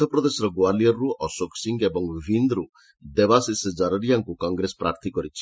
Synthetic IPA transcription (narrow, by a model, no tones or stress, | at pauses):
ɔpɾɔd̪esɔɾɔɡoalijɔɾːuʔɔsoksiŋɡebɔŋbʱind̪ɾu | d̪ebasisd͡ʒaɾuɾijaŋkukɔŋɡɾespɾaɾt̪ʰikɔɾit͡ʃʰi̥